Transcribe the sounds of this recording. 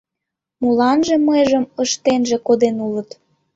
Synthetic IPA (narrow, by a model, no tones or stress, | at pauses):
mulɑnʒĕməjʒəməʃt̪enʒĕkod̪enulət̪